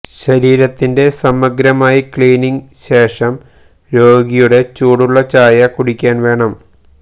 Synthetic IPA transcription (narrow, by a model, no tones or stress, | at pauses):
ɕɐɾiːɾɐt̪ːinde̞sɐmɐɡɾɐmaːjikɭiːniŋɕe̞ːʂɐm | ɾo̞ːɡijuɽe̞t͡ɕuːɽuɭːɐt͡ɕaːjɐkuɽikʲːaːnʋe̞ːɳɐm